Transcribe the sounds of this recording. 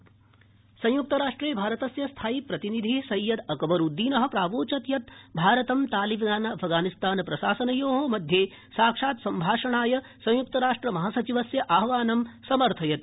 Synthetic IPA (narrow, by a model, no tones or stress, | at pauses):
sɐ̃juk̚t̪ɐɾaːʂʈɾeːbʱaːɾɐt̪ɐsjɐst̪ʰaːjipɾɐt̪inid̪ʱisɐjːɐd̪ɐkɐʋɐɾud̪ːiːnɐɦɐ̆pɾaːʋoːt͡ʃɐt̪jɐt̪bʱaːɾɐt̪ɐmt̪aːlibnaːnɐɐpʰɡaːnist̪aːnpɾɐʃaːsɐnɐjoːɦomɐd̪ʱjeː | saːkʂaːt̪sɐmbʱaːʂɐɳaːjɐ | sɐ̃j̃juk̚t̪ɐɾaːʂʈɾɐmɐɦaːsɐt͡ʃiʋɐsjɐʔaːɦʋaːnɐmsɐmɐɾt̪ʰɐjɐt̪̚